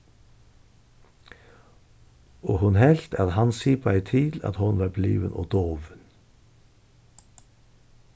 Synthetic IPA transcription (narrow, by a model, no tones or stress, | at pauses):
oːhʉnhɛlt̪ʰɑt̪hɑnsiːpʰoːæɪt̪ʰiːd̪ɑ̰t̪hʊnʋɑːblḭːʋə̰nʔo̰ːd̪oːʋən